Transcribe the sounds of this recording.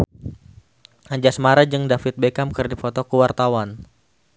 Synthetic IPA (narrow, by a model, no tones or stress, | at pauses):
aɲd͡ʒasmaɾad͡ʒɨŋdafɪt̪̚bekamkɨrdifɔt̪ɔkəwart̪awan